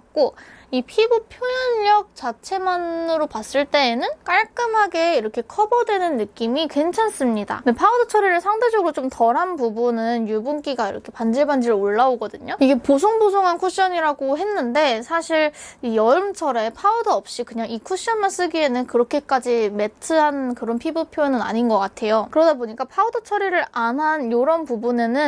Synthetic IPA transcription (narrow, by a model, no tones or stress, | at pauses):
k͈oipʰibupʰjojʌnʎʌk̚t͡ɕat͡ɕʰe̞manɯɾopas͈ɯɭt͈e̞ːnɯnk͈aɭk͈ɯmɦaɡe̞iɾʌkʰe̞kʰʌbʌdwe̞nɯnːɯk͈imikwe̞nt͡ɕʰans͈ɯmɲida̰epʰaudɯt͡ɕʰʌɾeɾɯɭsʰaŋde̞d͡ʑʌɡɯɾot͡ɕomtʌɾɦanpubunɯnjubunk͈iɡaiɾʌkʰe̞pand͡ʑiɭband͡ʑiɾɯɭoɭːaoɡʌdɯɲoiɡe̞pos̬ʰoŋbosʰoŋɦankʰuɕ͈ʌɲiɾaɡoɦe̞nːɯnde̞sʰaɕʰiɾijʌɭmt͡ɕʰʌɾe̞pʰaudɯʌp̚ɕ͈ikɯɲaŋikʰuɕ͈ʌnmans͈ɯɡie̞nɯnkɯɾʌkʰe̞k͈ad͡ʑime̞tʰɯɦankɯɾʌnpʰibɯpʰjonɯna̰ɲinɡʌk͈atʰe̞jokɯɾʌdaboɲik͈apʰaudɯt͡ɕʰʌɾiɾɯɾanɦanjoɾʌnpubune̞nɯn